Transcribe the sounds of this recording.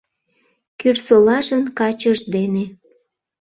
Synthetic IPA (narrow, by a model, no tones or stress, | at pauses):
kyrsolɑʒənkɑt͡ɕəʃd̪ene